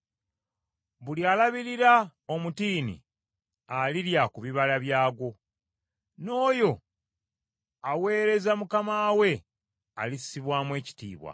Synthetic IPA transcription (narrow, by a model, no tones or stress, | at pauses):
βulialaβiɾiɾaomutiːnḭ | aliɾjakuβiβalaβjaːɡo̞ | no̞ːjo̞ | awe̞ːɾe̞zamukamaːwe̞ | a̰lisiβwaːmwe̞ːci̥tḭːβwa̰